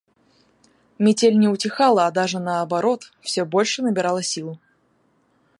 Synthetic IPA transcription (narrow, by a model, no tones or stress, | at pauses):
mʲɪtʲelʲnʲɛʊtʲɪxalˠəːd̪aʐɨnɐːbaɾɔt̪fsʲobɔlʲʂɨnəbʲɪɾalˠəsʲilˠ